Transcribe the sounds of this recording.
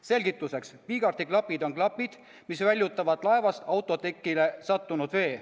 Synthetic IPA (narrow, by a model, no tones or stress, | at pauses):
se̞lʲɡit̪ːˑuse̞kspiːɡ̥ɑɾt̪iklɑpːid̪o̞ŋklɑpːˑid̪̥ | misvælʲjut̪ːˑɑvɑd̪̥lɑe̞vɑst̪ɑwt̪ˑːo̞t̪ekˑːile̞sɑt̪ːunud̪̥ve̞ː